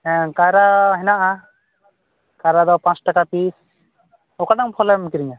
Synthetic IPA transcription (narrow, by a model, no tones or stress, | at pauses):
ɛkaɾaɦɛnaʔa | kaɾad̪ɔpãt͡ʃʈakapis | ɔkaɖaŋpʰɔlamkiɾiŋa